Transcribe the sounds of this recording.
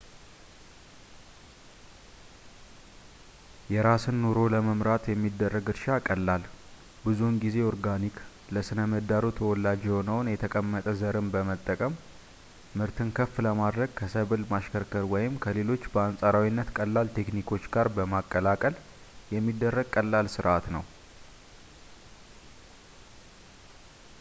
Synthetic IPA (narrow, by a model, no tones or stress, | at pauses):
jɛɾasɨnːuɾo̞ləməmɾat̪jɛmːid̪ːərːəɡɨɾʃakʼəlːal | bɨzunɡize̞oɾɡanik | ləsɨnəməd̪aɾut̪ʰəwɔlad͡ʒɛonəwnjɛt̪ʰəkʼəmːət̪ʼəzəɾɨnbəmət̪ʼːəkʼəmː | ɨɾt̪ʰɨnkʰəfːləmad̪ɾəɡ̚kʰəsəβɨlmaʃkʰəɾkʰəɾwɔjɪmkʰəle̞lo̞t͡ʃːbəansʼaɾawinːət̪kʼəlːalt̪ʰe̞knikʰo̞t͡ʃːɡaɾbəmakʼːəlakʼəl | jɛmːid̪ːərːəɡ̚kʼəlːalsɨɾʔat̪nəw